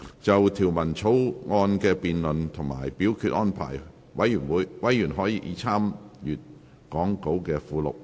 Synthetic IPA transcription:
t͡sɐ˨wt̪ʰiː˨˩wmɐ˨˩nt͡sʰo˨˥wŋɔː˧nkɛː˧piː˨nlɵ˨nt̪ʰʊ˨˩ŋma̰ː˨˩jpiː˨˥wkʰyː˧t̚ʔɔː˥npʰa̰ː˨˩j | wɐ̰˨˥jyː˨˩nwuː˨˧˥jwɐ˨˥jːyː˨˩nɦɔː˨˥jiː˧˥ʔḭː˨˧t͡sʰaː˥mjyː˨t̚ | kɔː˨˥ŋko˨˧˥wkɛː˧fuː˨˧lʊ̰˨k̚

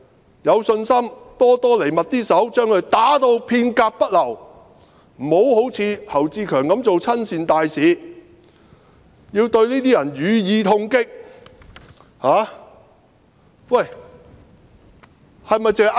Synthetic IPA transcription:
jɐ˨˧wsɵ˧nsɐ˥mt̪ɔː˥t̪ɔː˥le˨˩jmɐ˨t̚t̪iː˥sɐ˨˥wt͡ʃœː˥ŋkʰɵ˨˧ɥt̪aː˨˥t̪o˧wpʰiː˧nkaː˧k̚pɐ˥t̚lɐ˨˩w | m̩˨˩ho˨˥who˨˥wt͡sʰiː˨˧hɐ˨˩wt͡siː˧kʰœː˨˩ŋkɐ˨˥mt͡so˨wt͡sʰɐ˥nsiː˧nt̪aː˨jsiː˨˥ | jiː˧wt̪ɵ˧ɥniː˥t̪iː˥jɐ˨˩njyː˨˧jiː˨˧t̪ʰʊ˧ŋkɪ˥k̚ | haː˨˧ | wɐ˨˩j | hɐ˨jmɐ˨jt͡sɪ˨ɐ˨j

